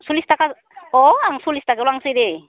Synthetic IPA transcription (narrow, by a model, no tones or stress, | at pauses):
sulistaka | ɔaŋsulistakelwaŋsɯjde